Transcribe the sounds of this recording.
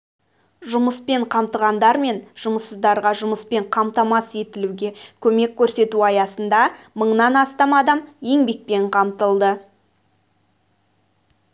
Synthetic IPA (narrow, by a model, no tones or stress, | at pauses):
ʒʊməspe̞ɴqʰɑmt̪əʁɑnd̪ɑɾme̞nʒ̥ʊməsəzd̪ɑɾʁɑʒʊməspe̞ɴqʰɑmt̪ɑmɑse̞t̪ɪluɡʲe̞kʲʰɵme̞kʲʰːɵɾse̞t̪uɑjɑsənd̪ɑ | məɴnɑnɑst̪ɑmɑd̪ɑmje̞ŋbe̞k̚pe̞ɴqʰɑmt̪əlˠd̪ə